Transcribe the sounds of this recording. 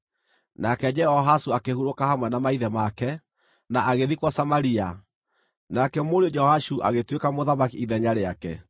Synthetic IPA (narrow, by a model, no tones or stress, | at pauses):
nakɛd͡ʒɛhɔɦasuakehuɾokahamwɛnamaiðɛmakɛ | naʔaɣeðikwasamaɾia | nakɛmoɾeod͡ʒɛɔhaʃuʔa̰ɣetwekamoðamakiiðɛɲaɾeakɛ̰